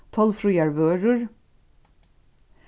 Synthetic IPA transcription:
t̪ʰɑlfɾuːjæɹʋøːɾʉɹ

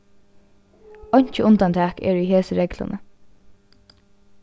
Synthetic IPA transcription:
ɔɲ̥t͡ʃəʊnt̪ant̪ʰæːkɛ̰ːɹiɦeːsəɹɛklʊ̰nə

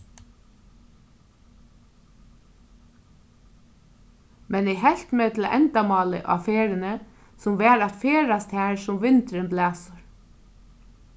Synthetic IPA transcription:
mɛnɛɦɛl̥t̪meːt̪ʰɪlʔɛ̰nt̪amɑːlə̰ʔa̰feːɾɪnə | sʊmʋɛːɾat̪feːɾast̪hæːɹsʊmʋɪnt̪ɾɪnblæːsʊɹ

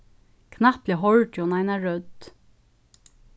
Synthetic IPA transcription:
kʰnaplɛɦɔɻʈɔnaɪnaɹœd̪

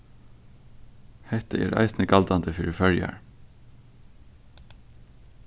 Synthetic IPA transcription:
hɛt̪əʔḛːɾæ̰ɪsnəɡɑld̪ɑnd̪əfʏɹəfœljɑ̰ɹ

